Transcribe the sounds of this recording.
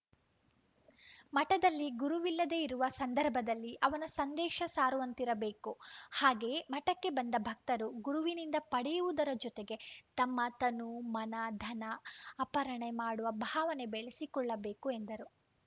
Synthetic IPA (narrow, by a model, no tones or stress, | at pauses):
mɐʈɐd̪ɐlːiɡuɾuʋilːɐd̪e̞iɾuʋɐsɐnd̪ɐɾbʱɐd̪ɐlːiʔɐʋɐnɐsɐnd̪ɛːʃɐsaːɾuʋɐnt̪iɾɐbe̞ːkuhaːɡe̞ːmɐʈɐkːe̞bɐnd̪ɐbʱɐk̚t̪ɐɾuɡuɾuʋinind̪ɐpɐɽɛjuʋud̪ɐɾɐd͡ʒɔt̪eɡe̞t̪ɐmːɐt̪ɐnumɐnɐd̪ʱɐnɐːpɐɾɐɳemaːɽuʋɐbʱaːʋɐne̞beɭesikɔɭːɐbe̞ːkue̞nd̪ɐɾu